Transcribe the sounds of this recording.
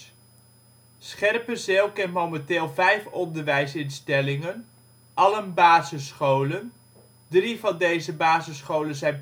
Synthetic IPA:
sχɛrpəzewˠkɛnmowmɛntɪːlˠvɛjfɔndəɹʋɛjsɪnstɛlɪŋən | ʔɑlənbaːzəsχowlən | drivɑndejzəbaːzəsχowlənzɛjn

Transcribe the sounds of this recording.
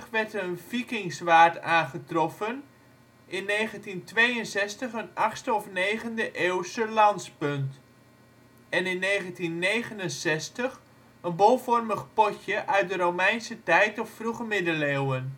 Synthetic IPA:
χʋɛrtənfikɪŋsʋaːɹtaːnχətrɔfən | ʔɪnːejχəntintʋejənsɛstəχənɑχstəɔfnejχəndəʔeːwsəlɑntspʏnt | ɛnɪnːejχəntinːejχənənsɛstəχ | ənbolˠfɔrməχpɔtjəʔœɥt̚dəɾowmɛjnsətɛjtɔffruχəmɪdəlewən

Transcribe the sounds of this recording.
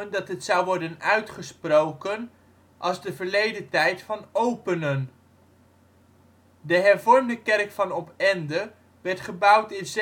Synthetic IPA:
əndɑtɦətsʌwʋɔɹdənœɥtχəsprowkən | ʔɑlˠzdəvəɹlejdətɛjtfɑnowpənən | dəɦɛɹvɔɹmdəkɛrkfɑnɔpɛndə | ʋɛɹtχəbɑwtɪnz

